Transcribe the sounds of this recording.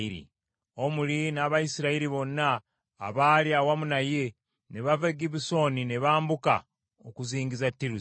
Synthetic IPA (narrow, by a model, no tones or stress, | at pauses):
iɾḭ | o̞mulinaβaisiɾaiɾiβo̞nːaː | βaːliawamunaje̞ | neβaveɡiβiso̞nineβaːmbuka̰ | okuziːŋɡizatːiɾu